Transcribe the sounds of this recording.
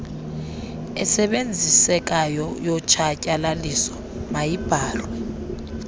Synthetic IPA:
ɛsɛɓend͡zʱisɛk̬ʼajɔjɔt͡ʃʰʼacʼalalisɔ̥ | majib̥ʱaːlwɛ

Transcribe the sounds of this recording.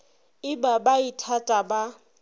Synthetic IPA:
ɪbabaitʰatʼaba

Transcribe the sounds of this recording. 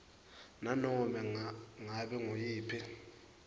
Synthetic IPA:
nanɔmɛŋaɓɛŋojiːpʰi

